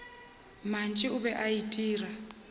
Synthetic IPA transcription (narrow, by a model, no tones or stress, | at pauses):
mant͡ʃʼiuβɛʔaitʼiːra